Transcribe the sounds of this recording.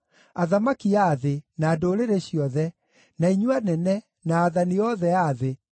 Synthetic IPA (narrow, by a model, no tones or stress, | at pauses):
aðamakiaðenaːdoɾeɾeɕiɔðɛ | naiɲuanɛnɛ | naːðaniɔðɛaðe